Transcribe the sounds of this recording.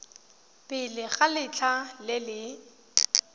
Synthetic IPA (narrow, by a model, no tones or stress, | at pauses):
pʼɪlɪɣalɪt͡ɬʰalɪlɪ